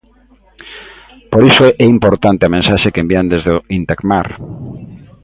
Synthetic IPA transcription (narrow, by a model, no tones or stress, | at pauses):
poɾisʊʔɛimpoɾt̪ant̪eamẽnsaʃekembiand̪ezðeoint̪akmaɾ